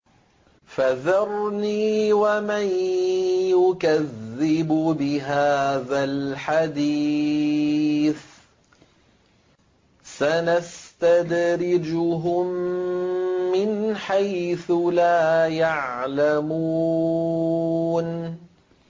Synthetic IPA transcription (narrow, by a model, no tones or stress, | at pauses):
faðɑɾˤniːwamaj | jʊkaðːɪbʊbɪɦaːðalħad̪i | θ | sanast̪ad̪ɾɪd͡ʒʊɦʊm | ɪnħajθʊlaːjaʕlamuː | n